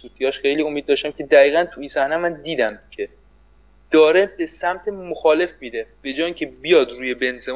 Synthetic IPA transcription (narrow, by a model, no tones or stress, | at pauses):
suːt̪ʰijɒʃxe̞jliːo̞mid̪ːɒːʃt̪æmcʲʰe̞d̪æɣiːɣænt̪ʰuiːnsæhnæmænd̪iːd̪æmcʰe | d̪̥ɒːɾebesæmt̪ʰemoxɒːle̞fmiːd̪e̞b̥e̞d͡ʒɒːiːcʰebijɒːd̪ɾuːje̞benzem